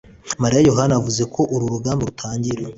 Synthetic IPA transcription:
maɾijajo̞ɦanavuze̞kʰo̞ʔuɾuɾuɡaːmboɾutʰaːɲɟiɾe

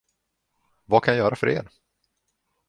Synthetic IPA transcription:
vakʰanjajœːɾafœɾḛːɾ

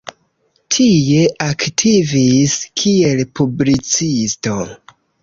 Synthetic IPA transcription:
tʰije̞ʔaktʰiviskʰie̞lpʰublit͡sisto̞

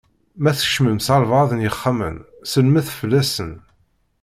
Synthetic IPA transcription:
mæθə̥ʃməmsælvʁɑðənjəχːamə̰n | səlmæθfəlːæsən

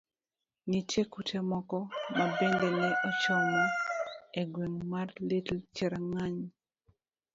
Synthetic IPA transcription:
nit͡ʃekutɛmɔkɔmabeŋdenɛʔɔt͡ʃɔŋaeɡweŋmarlitl̩t͡ʃɛɾaŋaɲ

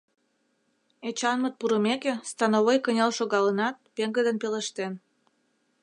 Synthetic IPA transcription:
et͡ɕɑnmət̪̚puɾəmekest̪ɑnoβojkənʲelʃoɣɑlənɑt̪̚peŋɡəd̪ənpeləʃt̪en

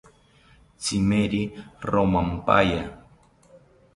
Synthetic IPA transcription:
t͡simeɾiɾomampa̰ja

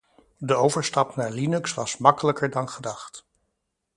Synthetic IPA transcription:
dəowvəɹstɑpnaːɹlinɵksʋɑsmɑkələkəɹdɑnχədɑχt

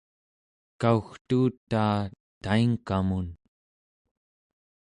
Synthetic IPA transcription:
kauxt̪uːt̪aː | t̪aiŋkamun

